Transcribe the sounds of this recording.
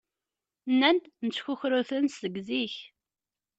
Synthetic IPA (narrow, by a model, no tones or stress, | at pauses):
nːænd̪nət͡sːçuçɾuθənsəɡziç